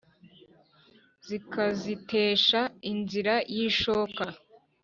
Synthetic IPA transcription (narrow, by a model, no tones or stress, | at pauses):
z̥ikazitʰe̞ːʃainziɾajiːʃoːka